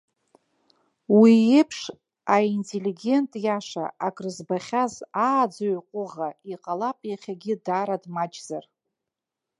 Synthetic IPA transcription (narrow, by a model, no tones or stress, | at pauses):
wiepʰʂ | aintʼeliɡʲe̞ntʼjaʂa̰akʼrɨzbaχʲazaːd͡zaɥqʷʼʊʁaiqʼalapʼjaχʲaɡʲɪdaːɾadmad͡ʒʼzar